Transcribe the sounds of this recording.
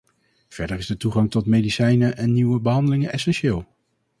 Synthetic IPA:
v̥ɛɹdərɪzdətuχɑŋtɔtmejdisɛjnəʔɛnːiwəbəɦɑndəlɪŋənʔɛsɛnʃɪːlˠ

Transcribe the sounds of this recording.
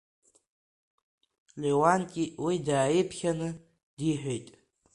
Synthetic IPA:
lewankʲʼiwidaːjipʰχʲanɨ | d̥iħʷᶣejtʼ

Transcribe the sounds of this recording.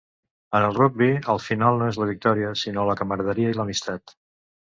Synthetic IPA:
ənəlˠruɡ̚biəlˠfinalˠnoezləβik̚t̪ɔɾiəsinoləkəməɾðəɾiəiləmist̪at̪

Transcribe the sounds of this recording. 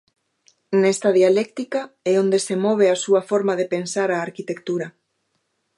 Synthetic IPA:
nɛst̪ɐðialɛkt̪ikaɛond̪esemɔβ̞easuɐfoɾmaðepensaɾaːɾkit̪ekt̪uɾɐ

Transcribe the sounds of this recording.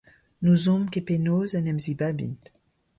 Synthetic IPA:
nuzɔ̃mkepenozɛnɛmzibabḭnt̪

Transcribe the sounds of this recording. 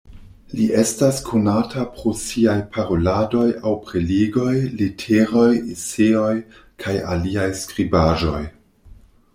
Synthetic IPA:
liʔe̞staskʰonatʰapɾosiajpʰaɾo̞lado̞jawpɾeliɡo̞jlitʰeɾo̞jiseo̞j | kʰaja̰liajskɾibaʒo̞j

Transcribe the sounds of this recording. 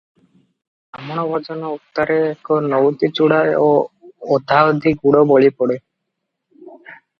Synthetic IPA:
amɔɽ̃ɔbʱɔd͡ʒɔnɔut̪ːaɾeːkɔnɔwt̪it͡ʃuɽaeoː | d̪ʱaɔd̪ʱiɡuɽɔbɔɭipɔɽe

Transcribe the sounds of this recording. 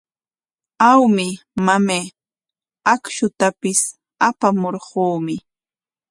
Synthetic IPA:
awmɪ | mameː | akʃʊt̪apɪs | apamoɾɢuːmɪ

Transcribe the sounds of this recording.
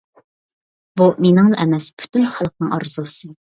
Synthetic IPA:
b̥umenɪŋlˠɑʔɛmɛspʰy̥t̪ʰynχɑlˠq̚nɨŋɑɾz̥usɨ

